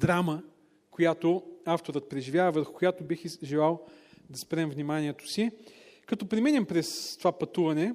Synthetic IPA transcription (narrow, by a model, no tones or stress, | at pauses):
d̪ɾamə | kojat̪oaft̪oɾət̪̚pɾɛʒivʲjavɐvəɾxʊ̥koʊjat̪obixʒɛlˠalˠ | d̪ɐspɾɛmvnimanʲiɛt̪o̥sikɐt̪ɔpɾimɛnʲɐmpɾɛst̪ovapɐt̪uvɐnɛ